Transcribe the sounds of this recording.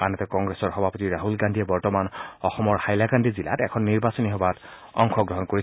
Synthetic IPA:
anɛtɛkɔŋɡɹesɔɹxɔbʱapotiɹaɦulɡandʱijɛbɔɹtɔmanɔxɔmɔɹxajlaɡandizila̰tɛkʰɔnːiɹbasɔniɦɔbat | ɔ̰ŋkʰɔɡɹɔɦɔnkoi

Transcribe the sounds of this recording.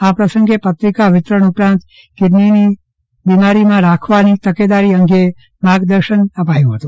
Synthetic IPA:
apɾəsəŋɡepət̪ɾikaʋɪt̪ɾəɳupɾãnt̪ | kɪɾnini | bimaɾimãɾakʰʋanit̪əked̪aɾiəŋɡe | maɡd̪əɾʃənəpajũɦət̪ũ

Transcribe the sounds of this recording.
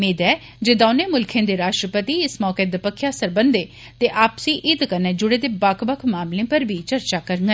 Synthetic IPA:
meːd̪ɛː | d͡ʒeːd̪oːnẽːmʊlkʰẽːd̪eːɾaːʃʈɾəpət̪iːɪsmɔːkeːd̪əpəkʰːjaːsəɾbənd̪eː | t̪eːʔaːpsĩːʔɪd̪kəneːd͡ʒʊɽeːd̪eːbakʰbəkʰmaːmlẽːpəɾbʱiːt͡ʃəɾt͡ʃaːkəɾəŋɡə

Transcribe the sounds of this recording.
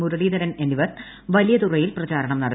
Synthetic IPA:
muɾɐɭiːd̪ɐɾɐneniʋɐr | ʋɐlijɐt̪urɐjilprɐt͡ɕaːɾɐɳɐmnɐɽɐ

